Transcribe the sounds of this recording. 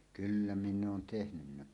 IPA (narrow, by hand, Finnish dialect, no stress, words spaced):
kylːæ minː oːn tehnynːæ